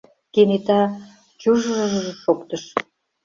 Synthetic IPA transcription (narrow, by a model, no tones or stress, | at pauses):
kenet̪ɑ | t͡ɕuʒəʒəʒəʒĕʃokt̪əʃ